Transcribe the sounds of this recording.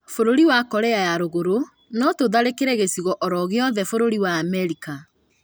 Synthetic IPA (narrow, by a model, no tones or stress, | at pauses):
foɾoɾiwakɔɾɛajaɾoɣoɾo | nɔtoðaɾekeɾɛɣesiɣɔʔɔɾɔɣeɔðɛfoɾoɾiwaːmɛɾika